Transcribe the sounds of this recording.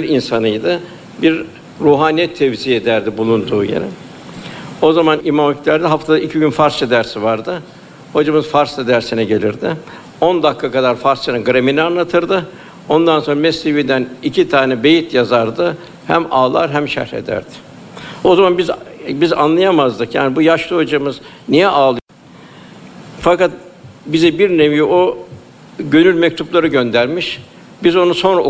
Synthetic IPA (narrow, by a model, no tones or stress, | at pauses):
biɾinsanɯjd̪ɯ | biɾ | ɾuːɦaːniɛt̪ʰɛvzied̪æɾd̪ibulˠund̪uːjḛɾɛ̰ | o̞zamanimaːmiclʲæɾd̪iɦaft̪ʰad̪aicʰiɟynfaɾst͡ʃʰad̪æɾsivaɾd̪ɯ | ho̞d͡ʒamɯzfaɾst̪ad̪æɾsinɛɟe̞lʲiɾd̪ɪ | o̞nd̪akʰːakad̪aɾfaɾst͡ʃanɛɡɯɾeminianlˠat̪ʰɯɾd̪ɯ | o̞nd̪anso̞nɾamɛsːevid̪ænicʰit̪ʰaːnɛbe̞jit̪jazaɾd̪ɯ | hæ̰maːlˠa̰ɾɦæmʃæ̰ɾɾḛd̪æ̰ɾd̪̥ɪ̥ | o̞zamanbizbiza̰nlˠajamazd̪ɯkja̰ːnibujaʃlˠod͡ʒamɯz | nijɛʔaːlˠɯ | fakat̪̚bizɛbiɾnevijio | ɟø̞nylʲmɛc̚t̪ʰuplˠaɾɯɟø̞nd̪æɾmiʃ | bizo̞nuso̞nɾa